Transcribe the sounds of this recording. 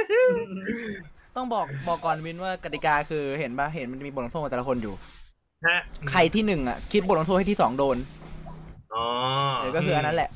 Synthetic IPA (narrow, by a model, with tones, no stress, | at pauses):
t̪ɔ˥˩ŋbɔː˨˩k̚bɔː˨˩kːɔː˨˩n˧wi˦˥nwaː˥˩ka˨˩t̪i˨˩kaː˧kʰɯː˧he˩˦nbaː˥˩ɦe˨˩˦nma˧nt͡ɕa˨˩miː˧b̪̚o˧t̪ʰu˥˩k̪ːɛː˨˩˧kʰo˧njuː˨˩ | a˦˥kʰa˧jt̪ʰiː˥˩nɯ˨˩ŋʔa̰˨˩kʰi˦˥t̪̚bo˨˩t̚ːt̪ʰːha˥˩t̪ʰiː˥˩sɔː˩˦ŋdoː˧n | ʔɔː˧deː˨˦kɔ˥˩ɯː˧ʔa˧nːa˦˥lɛ˨˩ʔ